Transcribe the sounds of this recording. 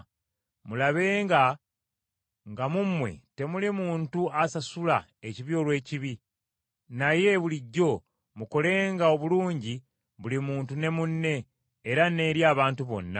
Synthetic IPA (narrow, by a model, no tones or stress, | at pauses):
mulaβe̞ːŋɡa | ŋɡamumwe̞̰te̞mulimuːntuasasula | eciβio̞ːlwe̞ːciβi | naje̞βuliɟːo̞ | muko̞le̞ːŋɡao̞βuluːɲɟi | βulimuːntune̞munːe̞ː | ɾane̞ːɾjaːβaːntuβo̞̰nːa